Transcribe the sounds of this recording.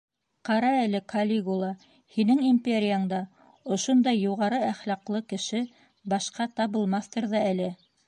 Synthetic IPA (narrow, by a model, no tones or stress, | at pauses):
qɑɾɑælɘkʰɐlʲiɡulˠɑ | hinɘŋimʲpʲeɾʲɪjaɴd̪ɑ | ŏʃond̪ɑjːuʁɑɾɤæχlɑqlˠɤkɘ̆ʃɘ | bɑʃqɑt̪ɑβɤ̆lˠmɑθt̪ɤ̆ɾðɑælɘ